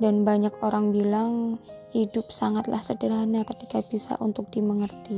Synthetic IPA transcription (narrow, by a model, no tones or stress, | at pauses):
danbaɲakoɾaŋbilaŋhidʊp̚saŋat̪lahsədəɾɦanakət̪ikab̥isa̰ʔunt̪ʊk̚d̥iməŋərt̪i